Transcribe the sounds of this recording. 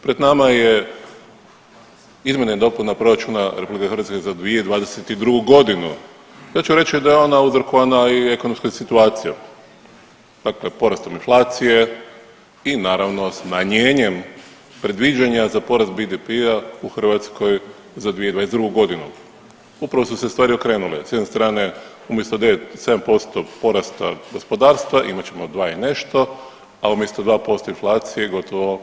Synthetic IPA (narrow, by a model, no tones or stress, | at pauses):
pɾe̞d̪namaje̞ | izmʲje̞nad̪o̞punapɾo̞ɾat͡ʃunaɾepublikexɾʋat̪kezad̪ʋieid̪ʋaːd̪e̞set̪id̪ɾuɡuɡo̞d̪inu | j̪aːt͡ʃuɾe̞t͡ʃid̪ajeo̞nauzɾ̩koʋanaie̞ko̞nomskasit̪uaːt̪sija | d̪̥akle̞po̞ɾast̪o̞minflˠaːt̪sije̞ | inaːɾaʋno̞smaɲeːɲe̞m | pɾe̞d̪ʋid͡ʒaɲazapo̞ɾast̪̚bid̪ipiauxrʋat̪skoj | zad̪ʋied̪ʋaːezd̪ɾuɡuɡo̞d̪inṵ | upɾaʋo̞susest̪ʋaːɾio̞kɾe̞ːnulḛsjed̪nest̪ɾaːne̞ | umjest̪od̪eet̪se̞d̪ampo̞st̪opo̞ɾast̪a̰ɡo̞spo̞d̪aːɾst̪ʋaʔimat͡ɕe̞mod̪ʋaːine̞ʃt̪o̞ | aumjest̪od̪ʋaːpo̞st̪oinflˠaːt̪sijeɡo̞t̪ʰoʋo̞